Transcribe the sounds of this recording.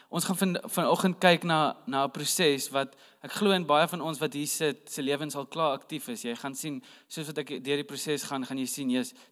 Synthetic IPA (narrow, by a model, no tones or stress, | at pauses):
ʔɔ̃nsχɐnfənfɐnɔχənt̚kɛjknɐnɐəpɾusɛsvɐt | ʔækχluəənbɐjəfɐnɔnsvɐtɦiːsət̚səliəvənsɐlˠklɑːɐktifəsjɛjχɐnsinsuəsvɐtækdiərdiprusɛsχɐnχɐnjəjsinjəs